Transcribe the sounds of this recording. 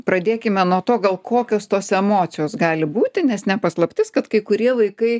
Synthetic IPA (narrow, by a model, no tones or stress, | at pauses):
pɾɐd̪ʲeːkʲɪmʲɛnuɔt̪oːɡɐlˠkʰoːkʲoːst̪oːsɛmoːt̪sʲɪjoːsɡɑːlʲɪbuːt̪ʲɪnʲɛsnʲɛpɐslˠɐpʲt̪ʲɪskɐt̪kɐɪkʊɾʲiɛʋɐɪkɐɪ